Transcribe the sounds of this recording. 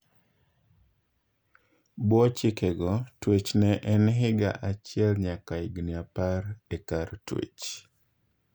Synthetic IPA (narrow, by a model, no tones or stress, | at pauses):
bwɔt͡ʃɪkɛɡɔtwet͡ʃnɛʔɛnɦɪɡa̰ʔat͡ʃɪɛlɲakaiɡniapaɾɛkaɾtwḛt͡ʃ